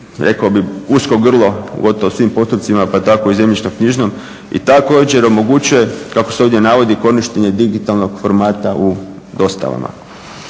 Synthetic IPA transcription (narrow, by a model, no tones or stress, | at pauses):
ɾe̞̰kobiusko̞ɡr̩lˠo̞̰ɡo̞t̪oʋosʋiːmpo̞st̪upt̪simapat̪ako̞ize̞mʎit͡ʃnomkɲiʒno̞m | ḭt̪ako̞ːd͡ʑe̞ɾo̞mo̞ɡut͡ɕuje̞kakoseo̞ʋdje̞naʋo̞d̪iko̞niʃt̪eɲe̞d̪iɡit̪alˠno̞ɡ̥foɾmaːt̪au | d̪o̞st̪a̰ʋa̰ma̰